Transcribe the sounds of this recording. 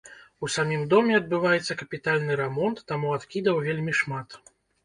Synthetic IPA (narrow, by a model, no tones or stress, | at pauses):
usamʲimd̪ɔmʲɛɐd̪̚bɨvajɛt̪sːɐkɐpʲit̪alʲnɨɾɛmɔnt̪ːamuat̪kʲid̪ɐwvʲelʲmʲiʂmat̪